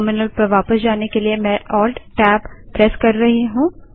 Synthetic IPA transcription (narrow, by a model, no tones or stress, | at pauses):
mɪnəlpɐɾʋaːpəsd͡ʒaːnekeliemɛ̃ʔɔːlɖʈɛːbːɾɛskɐɾːɐɦiɦũː